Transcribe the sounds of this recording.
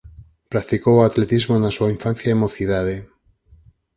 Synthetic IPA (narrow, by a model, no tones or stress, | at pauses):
pɾak̚t̪ikowoat̪let̪izmonasuaiɱfãn̟θjaemoθiðað̞e